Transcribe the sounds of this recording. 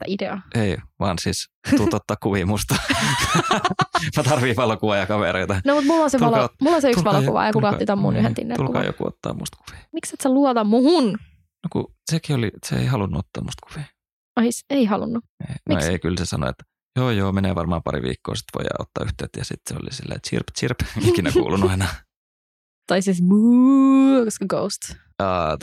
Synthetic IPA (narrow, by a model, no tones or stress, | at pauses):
st̪æ̰ʔideɑʔeiʋɑːnsiːst̪uːt̪ot̪ːɑːkkuʋiːmust̪ɑ | mɑt̪ɑrʋiʋɑlokuʋɑjɑkɑʋeɾeit̪ɑnomut̪mulːonseʋɑlomulːonseykksʋɑokuʋɑ̰jɑkukɑit̪æmːṵːnyhenḭnːḛlulkɑ̰ːjo̰kuo̰t̪ːɑ̰ːmṵst̪ku̥ʋi̥ːmikset̪seluot̪ɑmuhun | nokṵ | sekioliseḛiɦɑlunːuot̪ːɑːmust̪ku̥fiː | ɑiseihɑlunːueinmioeikylsesɑno̰ḛt̪ː | joːjoːmeneːʋɑrmɑːmpɑɾḭʋḭːkːo̰ːsi̥t̪ʋojjɑ̰ot̪ːɑːyht̪øːt̪jɑsḭt̪seo̰lisilːḛːt̪t͡ʃḭrpt͡ʃirpikinækuːlunɑinɑ | t̪ɑisisbu | kskəɡowst̪ː